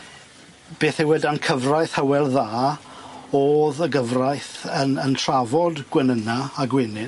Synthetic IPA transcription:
b̥eːθɪwɪdankʰəvrajθhəwɛlˠðaː | oːðəɡəvrajθənəntʰravɔdɡ̥wɛnənaːɡwɪnɪ

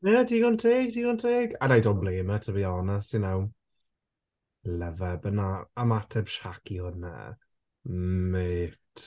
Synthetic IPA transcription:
nɛdiːɡʊntʰeːɡ̚diːɡʊntʰeːɡadajdɔblˠeːmətʰəbiːɔnasinaw | ləvəbənaːmatʰɛb̥ʃakʰiʊnə̰ | meːt

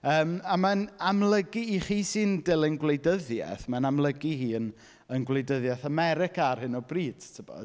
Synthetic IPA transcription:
əːmamanamlˠəɡiːχiːsɨːndɪlˠənɡwlejdəðjɛ̰θmanamlˠəɡihiːən | ənɡwlejdəðjaθamɛɾɪkarhɨnɔbriːd̥tʰəbɔ̰

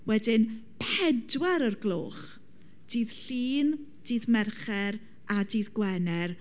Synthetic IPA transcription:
wɛdɪn | pʰɛdwɛɾərɡlˠo̰ːχ | d̥iːð̥ɬiːn | d̥iːðmɛrχɛɾ | adiːðɡwɛnɛr

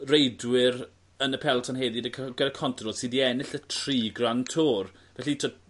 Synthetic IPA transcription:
rejdwɪɾ | ənəpʰɛlˠtʰɔnɦeːðidəkʰɡədakʰɔntʰrɔdsidiɛnɪɬətʰriːɡrantʰoːr | vɛɬitʰod

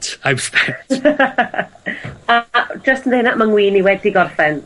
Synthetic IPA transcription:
tʰajwstɛ | ad͡ʒəstʰən̩dejnaʔmaŋwiːniwɛdiɡɔrθɛn

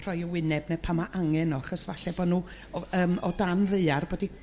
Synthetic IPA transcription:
r̥ɔjəwɪnɛbnɛpʰamaʔaŋɛnɔaχɔsvaɬɛbɔdnuː | əːmɔdanveɨarboːdi

